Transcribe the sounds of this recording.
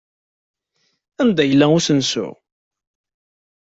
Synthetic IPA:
ænd̪æjəlːæʊsənsʊ̰

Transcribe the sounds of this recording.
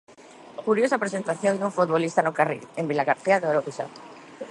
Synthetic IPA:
kuɾjosapɾesent̪aθjoŋd̪uɱfot̪βolist̪anʊkarḭlembilaɣaɾθiaðeoɾoβiʃa̰

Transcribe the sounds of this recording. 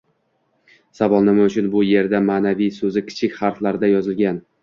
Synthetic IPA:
savɒlˠnɪmaʊt͡ʃʰʊnbʊje̞ɾd̪amaːnavijsɵzɪkʲʰɪ̥t͡ʃʰɪkʲχaɾflaɾɪd̪ajɒzɪlɡʲan

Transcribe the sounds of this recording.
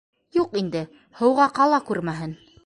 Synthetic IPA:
juqind̪ɘ | hɤ̆wʁɑqɑlˠɑkʉɾmæɦɘn

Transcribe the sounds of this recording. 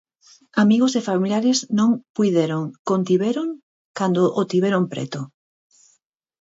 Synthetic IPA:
amiɣosefamiljaɾesnõŋpujðeɾoŋkont̪iβeɾoŋ | kand̪oʔot̪iβeɾompɾɛ̰t̪o

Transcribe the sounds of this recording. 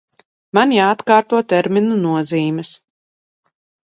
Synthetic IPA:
manjaːt̪kaːɾt̪uɔt̪ɛɾminunuɔziːmʲɛs

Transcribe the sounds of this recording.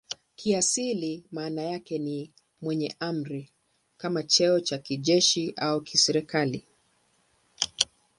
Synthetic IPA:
kʰiasilimaːnajakɛni | mwɛɲɛʔam̩ɾi | kamat͡ʃɛɔt͡ʃakiʄɛʃiʔaukisɛɾikali

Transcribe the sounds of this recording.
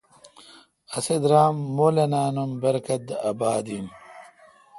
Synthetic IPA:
ɐsed̪ɾaːmːolɐnaːnumbɐɾkɐt̪̚d̪ɐbaːd̪im

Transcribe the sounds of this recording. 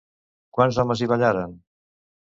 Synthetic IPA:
kwanzɔməziβaʎaɾən

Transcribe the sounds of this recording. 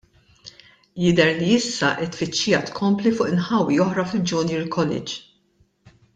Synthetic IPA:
jɪd̪ɛɾliɪsːɐʔɪt̪ːfɪt͡ʃːɪjɐt̪kʰɔmplifʊʔɪnħɐwːiɔħɾɐfɪld͡ʒʊnɪːɾkʰɔlɪ̰d͡ʒ

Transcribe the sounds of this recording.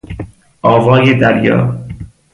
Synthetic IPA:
ʔɒːvɒːjed̪æɾjɒ̰ː

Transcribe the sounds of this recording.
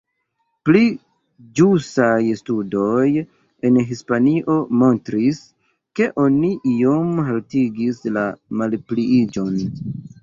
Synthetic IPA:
pli | d͡ʒusajstudo̞j | e̞nɦispaniʔo̞mo̞ntɾis | ke̞ʔo̞niʔiomɦaltiɡislamalpliid͡ʒo̞n

